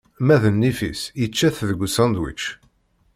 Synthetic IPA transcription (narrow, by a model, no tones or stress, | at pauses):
mæðənːifḭsjət͡ʃːæθðəɡʷusænd̪wḭt͡ʃː